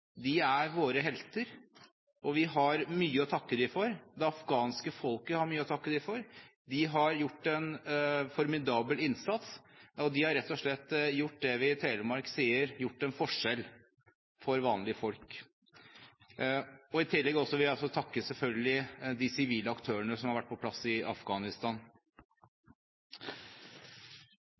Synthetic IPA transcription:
d̪ɪæɾʋoːɾəɦɛlt̪əɾ | ʔɔʋɪɦɑɾmyːəɔt̪ʰɑkːəd̪ɪfɔɾd̪ɛɑfɡɑːnskəfɔlkəhɑɾmyːəɔt̪ʰɑkːəd̪ɪfɔɾd̪ɪɦɑɾjʊʈːɛnfɔɾmɪd̪ɑːbəlɪnsɑt̪sɔd̪ɪhɑɾɛt̪ːɔʂɭɛt̪ːjʊʈ̚ːd̪ɛʋɪt̪ʰɛːləmɑɾksiːəɾjʊʈːɛnfɔʂɛl | fɔɾʋɑːnlɪəfɔlk | ɔɪt̪ʰɪlːɛɡɔsːɔʋɪlæɔs̬ɔt̪ʰɑkːəsɛlfœlɡəlɪd̪ɪsɪʋiːləɑkt̪ʰøːəɳəsɔmhɑɾʋæʈ̚ːpɔpʰlɑsɪɑ̰fɡɑːnɪst̪ɑːn

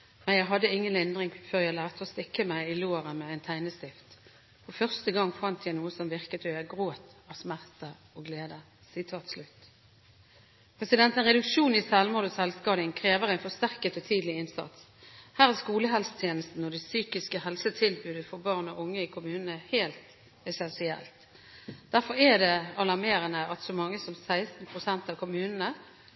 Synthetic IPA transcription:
mænjæɪɦɑd̪ːəɪŋːənɪnd̪ʁɪŋføːʁjæɪlæːʁt̪ʰəɔst̪ɪkːəmæɪɪloːʁəmɛæɪnt̪ʰæɪnəst̪ɪft̪ | fɔfœʁst̪əɡɑŋfɑnt̪ʰjæɪnuːəsɔmʋɪʁkət̪ɔjæɡʁoːt̪ɑʋsmæʁt̪ə | ɔɡleːd̪ə | sɪt̪ʰɑːt̪slʉt̪ | pʰʁɛsɪd̪ɛnt̪ənʁɛd̪ʉkʃuːnɪsɛlmʊːd̪ɔsɛlskɑːd̪ɪŋkʰʁeːʋəʁæɪnfɔst̪æʁkət̪ʰɔt̪ʰiːd̪lɪɪnsɑ̰t̪s | hæːʁæskuːləɦɛlsə̥t̪ʰjeːnəst̪n̩ɔd̪ɛsyːkɪskəhɛlsət̪ʰɪlbʉːd̪əfɔbɑːʁnɔʔʊŋːəɪkʰʊmʉːnənəheːlt̪ | ɛsɛnsɪɛ̰lt̪ | d̪̥æʁfɔɾæd̪ɛɑlɑʁmeːɾənəʔɑt̪sɔmɑŋːəsɔmsæɪst̪n̩pʰʁʊsɛnt̪ɑʋkʰʊmʉːnənə

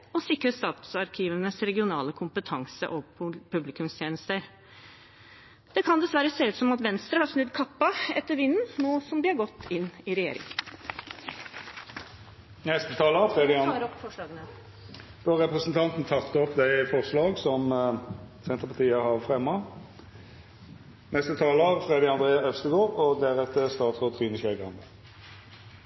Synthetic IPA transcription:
ɔsɪkɾəst̪ɑːt̪sɑɾkʰiːʋənəsɾɛɡɪʊnɑːləkʰʊmpət̪ʰɑŋsə̰ʔɔpʰʉblɪkʉmst̪ʰjeːnəst̪əɾ | d̪̥ɛkʰɑnd̪ɛsʋæɾəseːʉːt̪sɔmɑt̪ʋɛnst̪ɾəhɑɾʂnʉd̪kʰɑpːɑɛt̪ːəɾʋɪnn̩noːsɔmd̪ɪhɑɾɡɔt̪ʰːɪnːɪɾɛjḛːɾɪ̰ŋ | nɛst̪ət̪ʰɑːləfʁed̪ɪ | d̪̥oʁɛpʁəsnt̪ʰɑnt̪n̩t̪ʰɑkt̪əɔpd̪æɪfɔʁslɑːɡsɔm | sɛnt̪ʁəpʰɑt̪ʰiːəhɑʁfʁɛmːɑ | nɛst̪ət̪ʰɑːləʁfʁeːd̪ɪɑnd̪ʁeːɑœfst̪əɡoːʁɔd̪æʁɛt̪ːəst̪ɑːt̪sʁɔt̪ʰʁiːnəɕɛɡɑnd̪ə

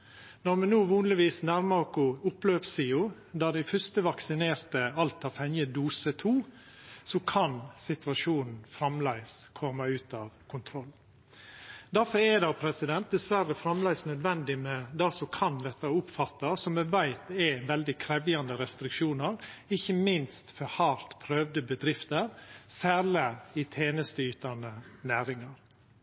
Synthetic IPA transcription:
nɔɾmɛnuːʋɑːnlɪʋiːsnæɾmɑɾkʊʊpløːpsiːʊ | d̪æːd̪æɪfœst̪əʋɑksɪneːɾt̪əɑlt̪ɑʋfhɛnjəd̪uːsət̪ʰuː | sɔkʰɑnsɪt̪ʋɑʂuːnn̩fɾɑmlæɪskʰɔmːɑʉːt̪ɑʋkʰʊnt̪ʰɾɔlː | d̪æɾfɔɾɛd̪ɑʊpʰɾɛsɪd̪ɛnt̪̚d̪ɛsʋæɾəfɾɑmlæɪsnœd̪ʋɛnd̪ɪmɛd̪æsɔkʰɑnd̪ɛt̪ːəʊpfɑt̪ːɑsɔmːɛʋæɪt̪ɛʋɛld̪ɪkʰɾɛʋjɑnd̪əɾɛst̪ɾɪkʃuːnəɾɪçːəmɪnst̪fɔɾhɑːɾt̪pʰɾøːʋd̪əbəd̪ɾɪft̪əɾsæːləɪt̪ʰeːnəst̪əyːt̪ənənæːɾɪŋɑɾ

